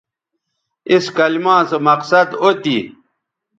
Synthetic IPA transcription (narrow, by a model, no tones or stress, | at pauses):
iskɐlmãːsɐmɐqsɐd̪ot̪i